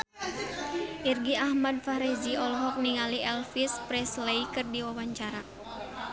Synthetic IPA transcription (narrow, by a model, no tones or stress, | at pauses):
ʔirɡiahmad̚faɾɛd͡ʒiɔlɔɦɔk̚niŋaliɛlfispɾɛsleikɨrdiwawaɲt͡ʃaɾa